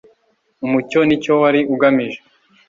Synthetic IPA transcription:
umuco̞nico̞waɾiʔuɡamiʒe

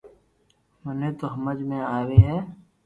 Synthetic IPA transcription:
mʊneːt̪oɦɐməd͡ʒmẽaːweːɦɛː

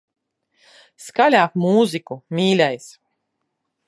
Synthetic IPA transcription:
skalʲaːkmuːzikumʲiːlʲɛjs

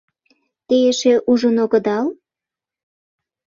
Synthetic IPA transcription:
t̪eeʃeʔuʒənoɣəd̪ɑl

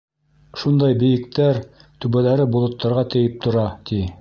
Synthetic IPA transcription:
ʃund̪ɑjbɘ̆jɘ̆k̚t̪æɾ | t̪ʉβælæɾɘbulˠŏt̪ːɑɾʁɑt̪ɘ̆jɘp̚t̪ŏɾɑt̪i

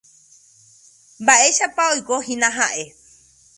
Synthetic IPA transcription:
mbaʔe̞ʃapaojkohĩnãɦaʔe̞

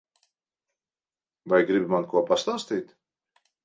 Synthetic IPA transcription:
vajɡɾɪbʲmankuɔpast̪anst̪ijt̪

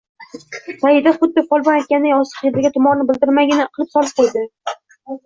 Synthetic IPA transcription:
sajɪd̪aχʊd̪ːɪfɒlˠbɒnajt̪̚kʲand̪ajɒsɨ̥qjed̪aɡʲat̪ʰʊmɒɾnɪbɪld̪ɪɾmaɡʲɪnɪqʰɨlˠɪpsɒlˠɪp̚qʰojd̪ɪ

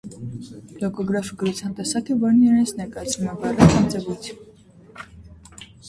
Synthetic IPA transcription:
lɔkɔɡɾɑfɡəɾut͡sʰjɑnt̪ɛsɑkibɑɾniɛɾɛnt͡sʰnɛɾkɑjɑt͡sʰnumɛbɑrakʰɑnt͡sɛvut͡sʰjun

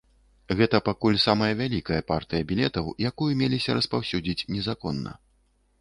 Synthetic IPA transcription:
ɣɛt̪ɐpakulʲsamɐjɐvʲalʲikɐjɐpart̪ɨjɐbʲilʲɛt̪ɐwjakujumʲelʲisʲɐɾɐspawsʲud͡zʲit͡sʲnʲɛzakɔnːɐ̰

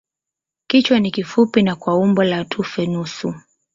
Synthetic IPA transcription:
kit͡ʃwanikifupinakwaumbɔlatʰufɛnusu

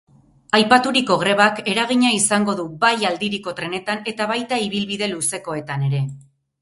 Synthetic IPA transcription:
ajpat̪uɾiko̞ɣɾe̞β̞ake̞ɾaɣ̞iɲaisaŋɡo̞ðubajald̪iɾiko̞t̪ɾe̞ne̞t̪ane̞t̪aβajt̪aiβilβiðe̞luse̞ko̞e̞t̪ane̞ɾe̞

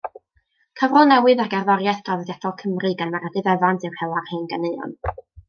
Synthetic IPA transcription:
kʰavrɔlˠnɛwɨðaɡɛrðɔɾjaθɡ̥avɡɛdɔlˠkʰəmrɨɡanmaɾadɨðɛvantʰɨwhɛwarheːnɡəneɨɔ̰n

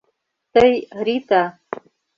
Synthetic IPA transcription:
t̪ɐjɾit̪a

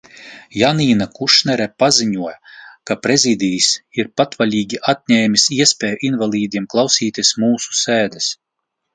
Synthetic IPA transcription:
janiːnakuʃnɛɾɛpaziɲuɔjakapɾezʲid̪ʲijisiɾpat̪valʲiːɡʲiʔat̪̚ʲɲʲɛːmʲisiɛspʲɛːjuʔinvalʲˠiːd̪ʲiɛmklˠawsiːt̪ʲiɛsmuːsu̥seːd̪ɛs

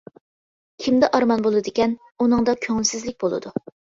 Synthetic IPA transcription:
kʲʰimd̪ɛʔɑɾmɑnbolˠɨd̪ɪkʲɛn | unɨŋd̪ɑkʲʰøŋɪlsɪzlɪk̚ʲbolˠɨ̰d̪u

